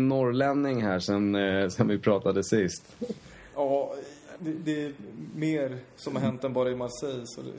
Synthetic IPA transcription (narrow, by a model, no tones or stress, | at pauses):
nːɔɾlɛnnɪŋɦæːʂɔmsɔnvɪpʰɾɑːt̪ad̪əsɪst̪ | ʔɑː | d̪ɛd̪ɛːmeːɾsɔmhaɾɦɛnt̪ːɛnbɑːɾaɛmalsɛjsɔ̰ɛ̰